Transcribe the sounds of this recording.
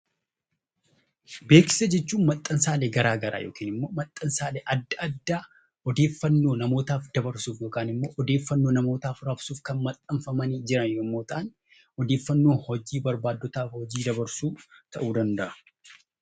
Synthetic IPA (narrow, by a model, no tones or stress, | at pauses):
be̞ːkɪ̥sɐd͡ʒɛt͡ʃːuːnmɐt̪ʼːɐnsaːleːɡɐɾaːɡɐɾa̰ːjo̰ːkiːnɪmːo̞ːmɐt̪ʼːɐnsaːleːʔɐd̪ːɐɐd̪ːaː | ɔd̪e̞ːfːɐnːoːnɐmo̞ːt̪aːfd̪ɐbɐɾsuːfjoːkaːnɪmːo̞ːʔɔd̪eːfːɐnːoːnɐmo̞ːt̪aːfɾɐbsuːfkɐnmɐt̪ʼːɐɱfɐmɐniːd͡ʒɪɾɐnjomːo̞ːt̪aːn | ɔd̪eːfːɐnːo̞ːhɔd͡ʒiːbɐɾbaːd̪ːɔt̪aːfhɔd͡ʒiːd̪ɐbɐɾsuːt̪ɐʔuːd̪ɐnd̪ɐʔɐ̥